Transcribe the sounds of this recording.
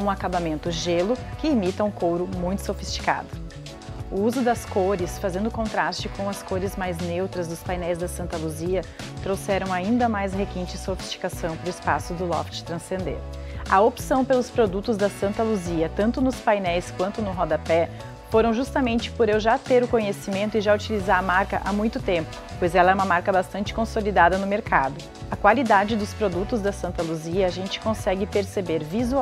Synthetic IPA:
ũakabamẽnt̪ʊʒelʊkɪimit̪ɐũkowɾʊmũj̃t̪ʊ̥sofist͡ʃi̥ka̰d̪ʊ | ʊuzʊd̪ɐskoɾɪsfazẽnd̪ʊkõnt̪ɾast͡ʃɪkʰõw̃ɐskoɾɪzmajznewt̪ɾɐzd̪ʊspajnɛjzd̪ɐsɐ̃nt̪ɐluziɐt̪ɾowsɛɾɐ̃w̃aĩnd̪ɐmajshekẽnt͡ʃɪsofi̥st͡ʃi̥kasɐ̃w̃pɾʊɪspa̰sʊd̪ʊlɔ̰ft͡ʃɪ̥t̪ɾɐ̃sẽnd̪ḛɾ | ɐopsɐ̃w̃pelʊspɾod̪ut̪ʊzd̪ɐsɐ̃nt̪ɐluziɐt̪ɐ̃nt̪ʊnʊspajnɛjskwɐ̃nt̪ʊnʊɦɔd̪ɐpɛ | foɾɐ̃w̃ʒust̪ɐmẽnt͡ʃɪ̥poɾewʒat̪eɾʊkõɲesimẽnt̪ʊɪʒaut͡ʃilizaɾɐmaɾkɐʔamũj̃t̪ʊt̪ẽmpʊ̥pojzɛlɐɛũmɐmaɾkɐbast̪ɐ̃nt͡ʃɪ̥kõsolid̪ad̪ɐnʊmeɾkʰad̪ʊ | ɐkwalid̪ad͡ʒɪd̪ʊspɾod̪ut̪ʊzd̪ɐsɐ̃nt̪ɐluziɐːʒẽnt͡ʃɪ̥kõsɛɡɪpeɾsebeɾvizu

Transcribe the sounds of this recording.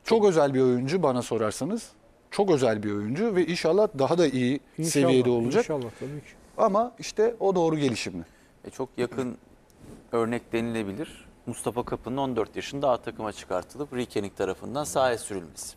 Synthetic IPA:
t͡ʃʰo̞kø̞zælʲbio̞jund͡ʒubanaso̞ɾaɾsanɯz̥ | t͡ʃʰo̞kø̞zælʲbio̞jund͡ʒuvɛinʃalˠːahd̪aɦad̪aʔiji | se̞vije̞d̪ɛo̞lˠud͡ʒak̪ːʰ | amaiʃt̪ʰɛo̞d̪o̞ːɾuɟe̞lʲiʃimlɪ | ɛt͡ʃʰo̞kjakʰɯn | ø̞ɾnɛc̚d̪e̞nilʲe̞bilʲiɾ̥must̪ʰafakʰapʰɯnɯo̞nd̪øɾt̪jaʃɯnd̪aat̪ʰakʰɯmat͡ʃʰɯ̥kʰaɾt̪ʰɯlˠɯpɾicʰe̞nic̚t̪ʰaɾafɯnd̪ansaːjɛsyɾylʲmɛz̥

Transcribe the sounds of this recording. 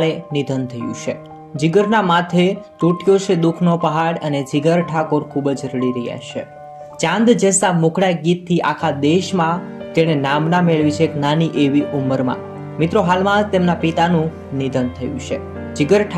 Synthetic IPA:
ɭenid̪ʱənt̪ʰəjṵ̃t͡ʃʰe | d͡ʒiɡəɾnamat̪ʰet̪uʈjot͡ʃʰed̪ukʰnopəɦaɽəned͡ʒɪɡəɾʈʰakoɾkʰubəd͡ʒɾəɽiɾəja̰ʃḛ | t͡ʃãnd̪d͡ʒəsamũkɽajɡit̪ʰːiʔakʰad̪eʃmãt̪eɽ̃enamnameɭʋit͡ʃʰeknaniʔeʋiʔuməɾmã̰ | mit̪ɾoɦalmãt̪emnapit̪anũ | nid̪ʱənt̪ʰəjṵ̃t͡ʃʰḛ | d͡ʒɪɡəɾʈʰ

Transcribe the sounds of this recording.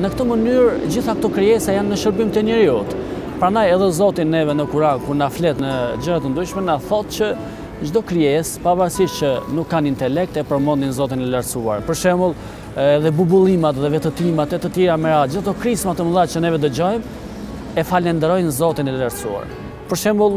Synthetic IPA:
nəkt̪əmənyɾd͡ʑiθakt̪ɔkɾiɛsajanːəʃəɾbimt̪ɛɲəɾiut̪ | pɾandajɛðɛzɔt̪inɛvɛnəkuɾaɡkuɾnaflɛt̪nəd͡ʒəɾat̪ənd̪ɾyʃmɛnaθɔt̪t͡ɕə | d͡ʒd̪ɔkɾiɛspavaɾsiʃt͡ɕənukːanint̪ɛlɛk̚t̪ɛpəɾmɔnd̪inzɔt̪̬inɛləɾsua̰ɾpəɾʃɛmulˠ | ɛðɛbubulˠimat̪ðɛvɛt̪ət̪imat̪ɛt̪ət̪jɛɾamɛɾad͡ʑiθat̪ɔkɾismat̪əmðat͡ʃənɛvɛd̪əd͡ʑɔjm | ɛfalɛnd̪ɛɾɔjnzɔt̪inɛləɾsua̰ɾ | pəɾʃɛmbulˠ

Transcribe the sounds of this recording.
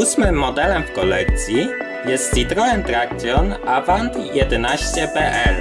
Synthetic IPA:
usmɘmːɔd̪ɛlɛmfkɔlɛkt̪sʲji | jɛst̪it̪ɾɔɛmt̪ɾak̚t̪ʲjɔnavant̪jɛd̪ɛnaɕt͡ɕɛpɛʔɛɾ

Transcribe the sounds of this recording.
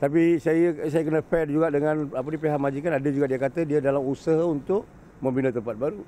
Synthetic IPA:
t̪ap̬isajəsajəkənəfɛt̚d͡ʒuɡaʔdəŋãnapənipeɦaʔmad͡ʒikanadad͡ʒuɡaʔdiakat̪ədiadalamusaɦaunt̪ʊʔ | mə̃mbinət̪əmpat̪̚baɾu

